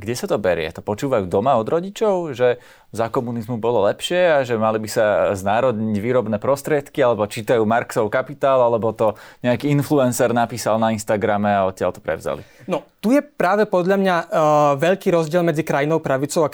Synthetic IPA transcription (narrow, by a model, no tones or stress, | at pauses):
ɡɟɛsat̪ɔbɛɾɪɛ̰t̪ɔpɔt͡ʃuːʋajuːd̪ɔmaɔd̪ɾɔɟit͡ʃɔʊʒɛ | zakɔmunizmubɔlɔlɛpʃɪɛaʒɛmalibisaznaːɾɔd̪ɲiɟʋiːɾɔbnɛpɾɔst̪ɾɪɛt̪kialɛbɔt͡ʃiːt̪ajuːmaɾksɔʊkapit̪aːlalɛbɔt̪ɔɲɛakiːinfluɛnsɛɾnapiːsalnainst̪aɡɾamɛaɔt̪̚cɪa̰lt̪ɔ̥pɾɛ̰ʊza̰lḭnɔt̪ujɛpɾaːʋɛpɔd̪ʎamɲaʋɛʎkiːɾɔzɟɪɛlmɛd͡zikɾajinɔʊpɾaʋit͡sɔʊa